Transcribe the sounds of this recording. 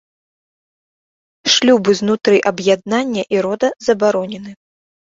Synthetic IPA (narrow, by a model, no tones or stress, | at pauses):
ʂlʲubɨznut̪ɾɨʔɐbjad̪̚nanʲːɐʔiɾɔd̪ɐzɐbaɾɔnʲɛnɨ